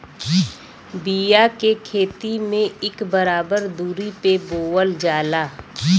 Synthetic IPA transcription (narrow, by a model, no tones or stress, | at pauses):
bijakekʰeːt̪imẽɪkbəɾaːbəɾd̪uːɾipeboːwəld͡ʒaːlaː